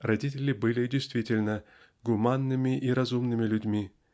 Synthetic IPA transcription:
rɐdʲitʲɪlʲɪbɨlʲɪdʲɪjst̪vʲitʲɪlʲnə | ɡʊmanːɨmʲɪʔiɾɐzumnɨmʲɪlʲʊdʲmʲi

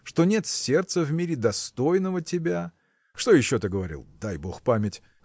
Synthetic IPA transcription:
ʂt̪o̞nʲe̞t̪sʲe̞rt̪səvmʲiɾʲɪd̪ɐst̪o̞jnəvətʲɪbʲa | ʂt̪o̞jɪɕːo̞t̪ɨɡəvɐɾʲḭlˠd̪ajbo̞xpamʲɪtʲ

